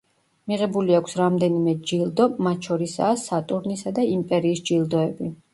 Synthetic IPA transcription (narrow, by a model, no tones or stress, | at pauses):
miʁɛbuliakʷʰsɾamd̪ɛnimɛd͡ʒilˠd̪ɔmat̪ʰʃɔɾisa̰ːsat̪ʼuɾnisad̪aimpʼɛɾiːsd͡ʒilˠd̪ɔɛbi